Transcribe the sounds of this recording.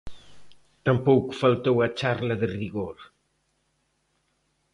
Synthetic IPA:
t̪ɐmpowku̥falt̪owɐt͡ʃaɾlɐðɨriɣoɾ

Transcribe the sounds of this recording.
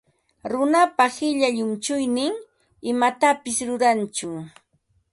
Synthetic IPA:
ɾʊnapahɪʎaʎʊmt͡ʃʊjnɪŋ | ɪmat̪apɪsɾʊɾant͡ʃʊ

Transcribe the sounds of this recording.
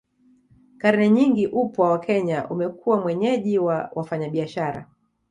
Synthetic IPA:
kaɾnɛɲiŋɡiʔupwawakʰɛɲaʔumɛkʰuwamwɛɲɛʄiwawʔafaɲaɓiaʃaɾa̰

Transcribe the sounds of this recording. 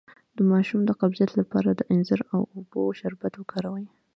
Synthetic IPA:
d̪̥əmɑʃumd̪əqablijat̪lapɑɾad̪əʔɪnzaɾawoboʃaɾbat̪wəkʰɑɾawəj

